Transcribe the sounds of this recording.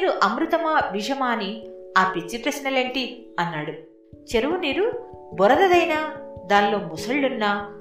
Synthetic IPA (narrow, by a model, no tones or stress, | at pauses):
ɾuʔɐmɾut̪ɐmaːʋid͡ʒɐmaːniaːpit͡ʃːipɾɐsnɐleːɳʈiɐnːaːɽu | t͡ʃeɾuʋuniːɾubɔɾɐd̪ɐd̪ɐjnaːd̪aːnlo̞ːmusɐɭːunːɐ